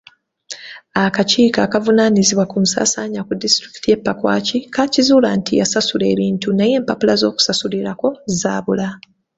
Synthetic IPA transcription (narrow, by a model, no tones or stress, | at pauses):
akaciːkaːkavunaːniziβwakumusa̰ːsaːɲakudistɾiki̥tije̞pːakwa̰ːcikacizuːlantijasasule̞ːβiːntunaje̞ːmpapulazo̞ːku̥sasuliɾako̞zaːβula